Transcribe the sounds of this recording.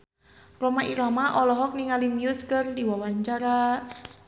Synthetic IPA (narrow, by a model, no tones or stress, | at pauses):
romaʔiɾamaʔɔlɔɦɔk̚niŋalimiuskɨrdiwawaɲt͡ʃaɾa